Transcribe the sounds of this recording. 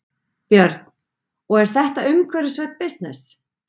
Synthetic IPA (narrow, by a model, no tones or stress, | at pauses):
pjœɾt̪n̥ | ɔɣɛɾ̥θɛht̪aʏmkʰvœɾɪsvɛt̪̚pɪst̪nɪs